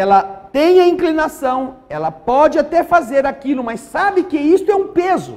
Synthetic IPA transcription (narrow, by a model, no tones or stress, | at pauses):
ɛlɐt̪ẽj̃ɐĩŋklinasɐ̃w̃ɛlɐpɔd͡ʒɪat̪ɛfazeɾakilʊmasabɪkɪist̪ʊɛũpezʊ